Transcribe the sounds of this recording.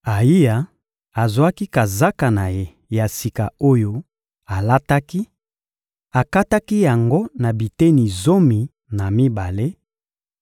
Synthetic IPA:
a˨i˦ja˨ | a˨zwa˦ki˦ka˨za˦ka˨na˨je˦ | ja˨si˨ka˨o˦jo˦ | a˨la˦ta˦ki˦ | a˨ka˦ta˦ki˦ja˨ŋɡo˦na˨bi˨te˦ni˨zo˦mi˨ | na˨mi˦ba˨le˦

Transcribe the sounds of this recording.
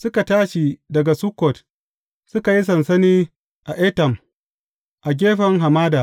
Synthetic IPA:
sʊ˦ka˨taː˦ʃi˨dɐ˨ɡa˨su˦kɔ˨t | sʊ˦ka˨ji˦s̬ɐ˨nsɐ˦niː˦ | ʔa˨ʔɛ˦tɐ˨m | ʔa˨ɡʲeː˦ɸɐ˨˦ŋɦa˨maː˦daː˨

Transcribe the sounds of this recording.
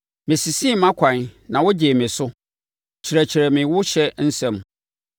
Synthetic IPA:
mɪ̃˨si˨si˦˨mã˦kʰʷã˨nnã˨wɔ˦d͡ʑe˨mɪ̃˨sʊ˦ | t͡ɕʰi˨ɾæ˨t͡ɕʰi˨ɾæ˨mɪ̃˨wʊ˦ɕɛ˦n̩˦sɛ̃˨m˨

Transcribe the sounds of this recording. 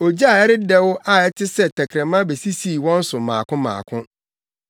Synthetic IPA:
o˨d͡ʑi˦a˨ɛ˦ɾɪ˦dɛ˦wʊ˦ʔa˦ɛ˦tʰɪ˦sɛ˦˨tʰɛ˨kʰɾɛ̃˨mã˦be˨si˦siː˦˨wɔ̃˦n̩˦sʊ˨mã̰ː˨kʰʊ̃˦mã̰ː˨kʰʊ̃˦

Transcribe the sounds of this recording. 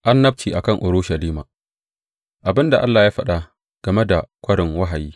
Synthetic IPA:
ʔa˦nːɐ˦b̚t͡ʃiː˨ʔa˨kɐ˦ŋʔʊ˨ɾʊː˦ʃɐ˨liː˦ma̰ː˨ | ʔa˨bɪ˦nda˨ʔa˦lːaː˨jaː˦ɸɐ˦ɗa˨ | ɡ̥ɐ˨me˦da˨kʷɐ˦ɽɪ˨ŋwɐ˦ɦa˨jiː˦

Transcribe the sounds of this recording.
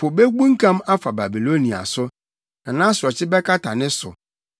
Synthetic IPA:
pʰʊ˨be˦ɡũ˦ŋ̩˦kʰã˦ma˦fa˨ba˨bi˨lo˦nĩ˨a̰˨sʊ˦ | nã˨nã˦sʊ˨ɔ˨t͡ɕʰɪ˦bɛ˦kʰa˦tʰa˨nɪ̃˦sʊ̰˨

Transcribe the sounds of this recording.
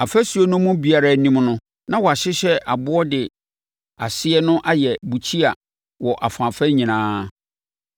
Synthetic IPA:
a˨fæ˦su˨˦o˨˦nʊ̃˦mũ˦bi˨a˨ɾa˨˦nĩ˦mnʊ̃˦ | nã˦wɔ˨a˨ɕɪ˦ɕɛ˦ʔa˨bʊ˦ɔ˦dɪ˨ | a̰˨sɪ˦ɛ˦nʊ̃˦ʔa˦jɛ˨bu˨t͡ɕʰi˦a˨ | wɔ˨ʔa˨fã˨fɛ˦ɲĩ˨nãː˦

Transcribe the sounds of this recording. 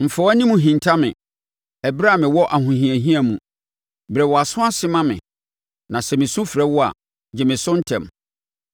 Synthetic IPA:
m̩˨fɛ˨wnĩ˦mũ˨ɦĩ˨ntʰa˦mɪ̰̃˨ | ɛ˨bɾa˦˨mɪ̃˨wɔ˦ʔa˨ɦʊ̃˨ɦĩ˨æ˨ɦĩ˦a˨mũ˨ | bɾɛ˨wɔ˨a˨sʊ̃˦a˦sɪ˦mã˦mɪ̰̃˨ | nã˨sɛ˨mɪ̃˨sũ˦fɾɛ˦wʊ˦a̰˨ | d͡ʑɛ˨mɪ̃˨sʊ̃˦n̩˦tʰɛ̰̃˨m

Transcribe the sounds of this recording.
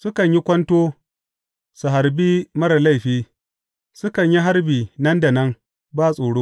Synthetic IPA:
sʊ˦kɐ˨ɲji˦kʷɐ˦ntoː˦ | su˨ɦa˨ɾbiː˦mɐ˦ɾɐ˨la˦˨jɸiː˦ | sʊ˦kɐ˨ɲji˦ɦa˦ɾbiː˨nɐ˦nda˨nɐ˦ŋ | baː˦˨sʼoː˨ɽoː˦

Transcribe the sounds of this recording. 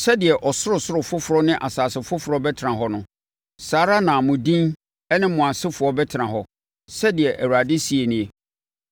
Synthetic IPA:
sɛ˦dɪ˨ɛ˨ʔɔ˨sʊ˦ɾʊ˨sʊ˦ɾʊ˨fʊ˦fʊ˨ɾɔ˦nɪ̃˦ʔa˨saː˨sɪ˨fʊ˦fʊ˨ɾɔ˦bɛ˦tʰɪ˨ɾã˨ɦɔ˦nʊ̃˦ | saː˨˦ɾa˦nã˨mʊ̃˨dĩ˦n | ɛ˦nɪ̃˦mʊ̃˨a˨sɪ˦fʊ˨ɔ˦bɛ˦tʰɪ˨ã˨ɦɔ˨ | sɛ˦dɪ˨ɛ˨ʔæ˨wu˨ɾa˨dɪ˦si˦e˨nɪ̃˦˨e˨

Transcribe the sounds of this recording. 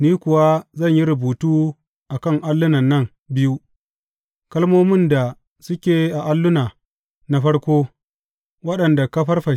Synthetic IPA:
niː˦kʷʊ˨wa˦zɐ˦˨ɲji˦ɾʊ˨buː˨tuː˦ | ʔa˨kɐ˦˨ŋʔa˦lːʊ˦nɐ˨nːɐ˦˨ŋ | bɪ˦ju˦ | kɐ˦lmoː˦mɪ˦˨nda˨ | sʊ˦kʲeː˨ʔa˨ʔa˦lːʊ˦naː˨ | na˦ɸɐ˦ɽkʷoː˦ | wɐ˦ɗɐ˨nda˨kɐ˦ɸɐ˦rɸɐ˨

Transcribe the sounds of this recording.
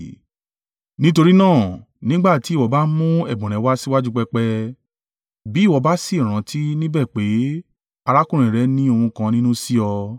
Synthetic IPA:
nĩ˦to˧ɾi˦nãː˦˨ | nĩ˦ɡ͡ba˦˨ti˨˦wɔ˧ba˦mũ˦ɛ˦˨ɡ͡bũ˨ɾ̃ɛ̃˨˦wa˦si˦wa˦d͡ʒu˦k͡pɛ˧k͡pɛ˧ | bi˨˦˨wɔ˧˦ba˦si˦i˨ɾ̃ã˨˦tʰi˦nĩ˦bɛ˦˨k͡pe˨˦ | a˧ɾa˦kũ˦ɾ̃ĩ˨ɾɛ˨˦nĩ˦o˧hũ˧kã˧nĩ˦nũ˦si˦ɔ˧

